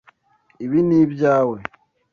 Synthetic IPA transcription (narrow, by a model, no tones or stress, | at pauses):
iβinibjaːwe